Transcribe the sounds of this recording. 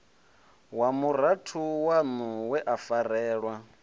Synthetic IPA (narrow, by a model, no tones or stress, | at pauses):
wamuɾ̤atʰuwanuwɛʔafarɛːɺwa